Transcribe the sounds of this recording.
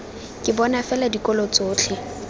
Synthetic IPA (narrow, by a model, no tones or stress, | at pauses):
kʼɪbɔnafɛladikʼɔlot͡sʼoːt͡ɬʰɪ